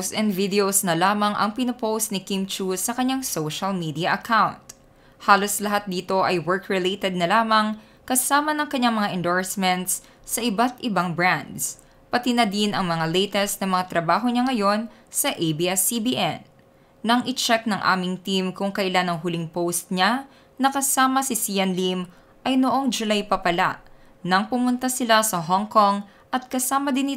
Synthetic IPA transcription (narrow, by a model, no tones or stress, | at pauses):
sɛnd̪vid̪ɛowsnɐlaːmɐŋʔɐ̰ŋpɪnɐpowst̪̚nɪkimt͡ʃusːɐkɐɲːaŋsowʃɐlmid̪iɐʔɐkʰawnt̪ | haːlo̞slɐɦat̪̚d̪iːt̪o̞ʔɐjwɛɹkɹɪlet̪ɛd̪̚nɐlaːmɐŋ | kɐsaːmɐnɐŋkɐɲːaŋmɐŋaʔɛnd̪oɹsmɛnt̪s | sɐʔɪbat̪ʔɪbaŋbɹand̪s | pɐt̪inɐd̪inɐŋmɐŋalɛjt̪ɛst̪̚nɐmɐŋat̪ɾɐbaːɦo̞ɲaŋɐjo̞n | sɐʔejbiɛsːibiʔɛ̰nː | ɐŋʔɪt͡ʃɛk̚nɐŋʔa̰ːmɪŋt̪imkʊŋkɐʔɪlanɐŋɦʊliŋpowst̪̚ɲa | nɐkɐsaːmɐsɪsijɐnlim | ʔɐjnoʔo̞ŋd͡ʒʊlajpɐpɐla̰ | nɐŋpʊmʊnt̪asɪlasɐɦoŋkoŋ | ʔɐt̪̚kɐsaːmɐd̪ɪnɪ